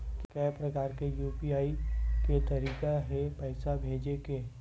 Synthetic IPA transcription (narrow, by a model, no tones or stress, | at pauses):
kkɛːpɾɐkaːɾkejuːpiaːiket̪ɐɾiːkaɦepɛɪsabʱeːd͡ʒekeː